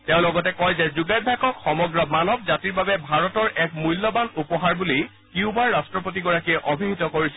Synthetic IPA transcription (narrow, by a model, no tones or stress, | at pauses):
tɛʊ̃lɔɡɔtɛkɔjzɛzuɡabʱakɔkxɔmɔɡɹɔmanɔbzatiɹbabɛbʱaɹɔtɔɹʔɛk̚mujlːɔbanupɔɦaɹbuli | kiʊbaɹːastɹɔpot̬iɡɔɹakiɛʔobʱiɦitɔkoɹisɛ